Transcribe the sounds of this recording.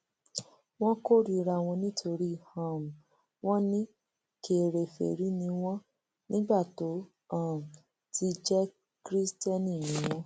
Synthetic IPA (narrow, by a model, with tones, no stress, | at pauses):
w̃ɔ̃˦ko˦ɾi˨˦ɾa˧˨w̃ɔ̃˧nĩ˦tʰo˧ɾi˦˨hã˨m̩˨ | w̃ɔ̃˦nĩ˦ | ke˨ɾe˨fɛ̰˨ɾi˨˦nĩ˧w̃ɔ̃˦ | nĩ˦ɡ͡ba˦˨to˨˦ | a˦˨m̩˨ | ti˧d͡ʒɛ˦ | kɾi˦stɛ˦nĩ˦˨nĩ˦w̃ɔ̃˦